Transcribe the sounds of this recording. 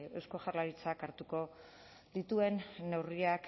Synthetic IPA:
esko̞ʝarlaɾit͡sakaɾt̪uko̞ | ðit̪ue̞nːe̞wriak

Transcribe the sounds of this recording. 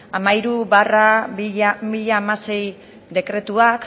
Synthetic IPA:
amaiɾuβaraiamiʎaːmase̞j | d̪e̞kɾe̞t̪uak

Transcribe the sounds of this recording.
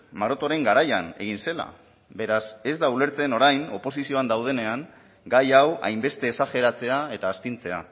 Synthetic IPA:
maɾo̞t̪oɾe̞ŋɡaɾajane̞ɣ̞inse̞la̰ | be̞ɾase̞zd̪aule̞ɾt͡se̞no̞ɾajno̞po̞sisio̞and̪awð̞e̞ne̞aŋ | ɡajawa̰jmbe̞st̪e̞ːsaxe̞ɾat͡se̞ae̞t̪aːst̪int͡se̞a̰

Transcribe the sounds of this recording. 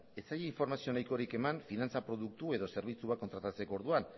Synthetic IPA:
e̞t͡sajeiɱfo̞ɾmasio̞najko̞ɾike̞manfinant͡sapɾo̞ðuk̚t̪ue̞ðo̞se̞ɾβ̞it͡suβakːont̪ɾat̪at͡se̞ko̞ɾðuan

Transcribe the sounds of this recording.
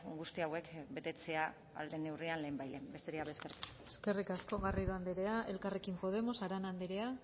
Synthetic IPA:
ɡust̪iawe̞kbe̞t̪e̞t͡se̞a | a̰ld̪e̞ne̞wrianle̞ːmbajlembe̞st̪eɾiaβeskeɾt̪u̥ | e̥ske̞rikasko̞ɣariðuand̪eɾe̞aʔe̞lkare̞kimpo̞ð̞e̞mo̞saɾanand̪eɾe̞a

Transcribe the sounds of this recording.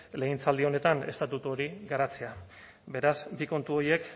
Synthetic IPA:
le̞int͡sald̪io̞ne̞t̪ane̞st̪at̪ut̪uo̞ɾiɡaɾat͡sea | be̞ɾazbiko̞nt̪uo̞je̞k

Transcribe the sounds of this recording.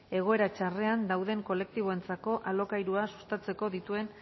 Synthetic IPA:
e̞ɣ̞o̞e̞ɾat͡ʃare̞and̪awðe̞ŋko̞le̞k̚t̪iβ̞o̞e̞nt͡sako̞ʔalo̞kajɾuasu̥st̪at͡se̞ko̞ðit̪ue̞n

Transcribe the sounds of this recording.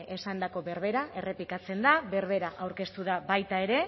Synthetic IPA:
esand̪ako̞βe̞ɾβe̞ɾae̞re̞pikat͡se̞nd̪aβe̞ɾβe̞ɾaʔawɾke̞st̪uðabajt̪ae̞ɾe̞

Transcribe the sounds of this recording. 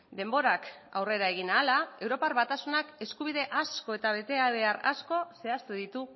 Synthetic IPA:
d̪e̞mbo̞ɾaka̰wre̞ɾae̞ɣ̞inaːlae̞wɾo̞parβat̪asunake̞skuβ̞iðe̞ʔasko̞e̞t̪aβ̞e̞t̪e̞aβe̞ara̰sko̞se̞ast̪uðit̪u

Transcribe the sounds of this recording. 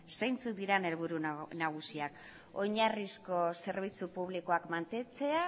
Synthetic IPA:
sejnt͡sut̪̚d̪iɾene̞lβ̞uɾunaɣ̞usiak | o̞ɲarisko̞se̞ɾβ̞it͡supuβliko̞akmant̪e̞t͡se̞a

